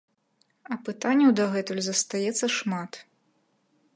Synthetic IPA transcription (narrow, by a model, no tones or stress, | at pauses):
ɐpɨt̪anʲːɐwd̪ɐɣɛt̪ulʲzɐst̪ajɛt̪sːɐʂmat̪